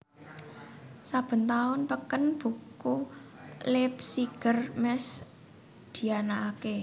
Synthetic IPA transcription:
sab̥ə̤nt̪aʊnpəkənb̥ṳku | lɪp̚siɡ̥ə̤rmɛs | d̪̥i̤anaːke

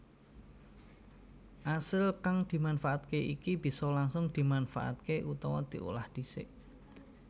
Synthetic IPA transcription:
ʔasəlkaŋd̪̥i̤manfaʔat̪̚keʔḭkib̥i̤sɔlaŋsʊŋd̪̥i̤manfa̰ʔa̰t̪̚keʔut̪ɔwɔd̪̥i̤ʔṵlahd̪̥i̤sɪ̰ʔ

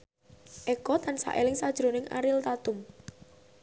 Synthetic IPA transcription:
ʔɛkɔt̪ansa̰ʔelɪŋsad̥ʒ̥ɾo̤nɪŋa̰ɾɪlt̪at̪ʊm

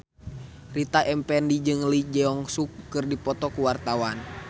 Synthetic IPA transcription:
rit̪aʔɛmpɛndid͡ʒɨŋlid͡ʒɛɔŋsukːɨrdipɔt̪ɔkuwart̪awan

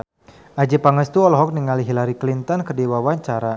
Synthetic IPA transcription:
ʔad͡ʒipaŋəst̪uɔlɦɔk̚niŋaliɦilaɾiklint̪ɔnkərdiwawaɲt͡ʃaɾa

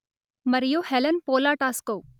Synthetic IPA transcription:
mɐɾijoːhɛlənpoːlaːʈaːskoː

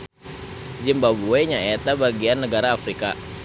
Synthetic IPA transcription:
d͡ʒimbaboeɲaet̪abaɡianːəɡaɾaːfɾika̰

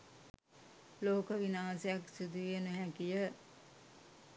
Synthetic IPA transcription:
loːkəʋinaːsejaksid̪uenəɦækijə

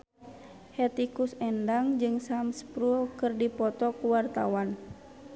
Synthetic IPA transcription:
hɛt̪ikusɛndaŋd͡ʒɨŋsamspɾulkɨrdipɔt̪ɔkuwart̪a̰wan

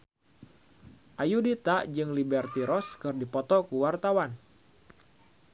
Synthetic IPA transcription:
ʔajudit̪aʔd͡ʒɨŋlibɛrt̪iɾɔskɨrdipɔt̪ɔkuwart̪awan

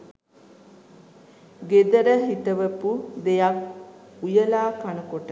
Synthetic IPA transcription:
ɡed̪əɾəɦit̪əʋəpud̪ejak̚ujəlaːkanəkoʈə

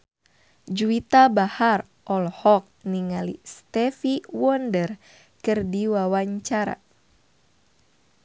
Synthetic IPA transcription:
d͡ʒuit̪abahar | ʔɔlhɔk̚niŋalḭst̪ɛfiwɔndər | kɨrdiwawaɲt͡ʃaɾa̰

